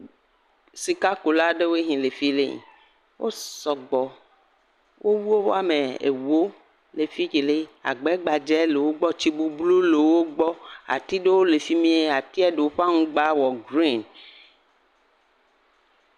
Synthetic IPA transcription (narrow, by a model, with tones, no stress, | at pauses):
si˨ka˦ko˨la˦ɖe˦we˦ɦĩ˨le˨fi˦lḛ˦ɲḭ̃˨ | wʔo̰˦sɔ˨ɡ͡bɔ˨ | wʔo˦wu˦wo˦wa˦me˨ḛ˨wo˦ | le˨fi˦d͡ʒe˨le˦a̰˨ɡ͡bɛ˦ɡ͡ba˨d͡ʒɛ˦le˨wo˦ɡ͡bɔ˦t͡ɕi˦bu˨blu˦le˨wo˦ɡ͡bɔ˦a̰˨t̪i˦ɖe˦wo˦le˨fi˦mĩ˦e˦a˨t̪i˦ɛ˦ɖe˨wo˦ɸa˦ŋũ˦ɡ͡ba˦wɔ˨ɡɾi˦˨n